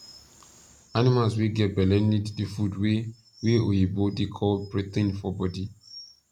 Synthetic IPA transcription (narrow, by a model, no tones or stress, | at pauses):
animalsweɡɛt̚bɛlɛ̃niddefudwe | weojebodekʰɔlbɹet̪ĩnfɔbɔdi